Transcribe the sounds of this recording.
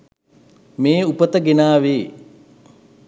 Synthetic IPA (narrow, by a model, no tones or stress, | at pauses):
meːupət̪əɡenaːʋeː